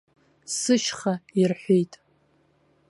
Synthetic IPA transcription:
sɨʃχairħʷejtʼ

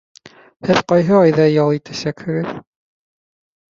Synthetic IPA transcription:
hɘðqɑjɦɤɑjðɑjɑlˠit̪æʃækhɵ̆ɡɘð

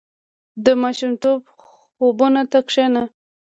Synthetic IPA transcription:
d̪əmɑʃumt̪ob | xobunat̪akʂena

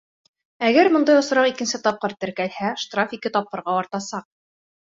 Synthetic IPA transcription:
æɡæɾmŏnd̪ɑjŏsɾɑqikɘ̆nsɘt̪ɒp̚qɤɾt̪ɘ̆ɾkælhæʃt̪rafikɘt̪ɒp̚qɤ̆ɾʁɑɑɾt̪ɑsɑq̚

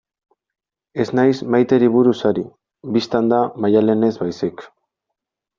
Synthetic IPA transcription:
e̞znajsmajt̪e̞ɾiβuɾusaɾi | bist̪and̪amajale̞ne̞zβajsik

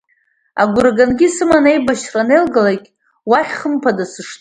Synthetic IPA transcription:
aɡʷʊɾaɡanɡʲisɨmanejbaʃranelɡalakʲʼ | waχʲχəmpʰadasɨʂtʼ

